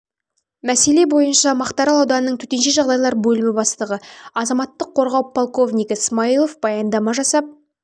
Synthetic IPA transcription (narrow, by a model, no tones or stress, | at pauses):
mæse̞le̞bo̞jənʃɑmɑqt̪ɑɾɑlˠɑwd̪ɑnənəɴt̪ʰɵt̪e̞nʃe̞ʒɑʁd̪ɑjlˠɑɾbɵlɪmɪbɑst̪əʁəɑzɑmɑt̪ːəqʰːo̞ɾʁɑwpʰolˠko̞vnʲijkəsmailˠofb̥ɑjɑnd̪ɑmɑʒɑsɑp̚